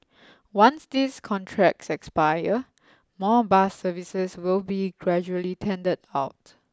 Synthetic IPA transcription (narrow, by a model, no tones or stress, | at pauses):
wãnsdiskʰɔ̃ntʰɹɛk̚sɛkspajə | mɔbasəvisəswɪlbiɡɹɛd͡ʒuəlitʰɛ̃ndədaʊt